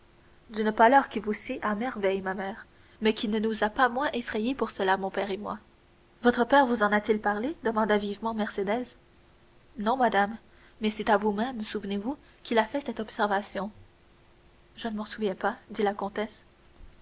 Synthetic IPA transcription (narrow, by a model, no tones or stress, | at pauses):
d̪ynpalœʁkʲivusiʔamɛʁvɛjmamɛːʁ | mɛkʲinənuzapamwɛ̃ʔefχɛjepuʁsəlamɔ̃pɛʁemwa | vɔt̪χəpɛʁvuzɑ̃nat̪ilpaʁled̪əmɑ̃d̪avivmɑ̃mɛʁsed̪ɛz | nɔ̃mad̪amː | ɛsɛt̪avumɛmsuvnevu | kʲilafɛsɛt̪ɔbsɛʁvasjɔ̃ | ʒənəmɑsuvjɛ̃pad̪ilakɔ̃t̪ɛs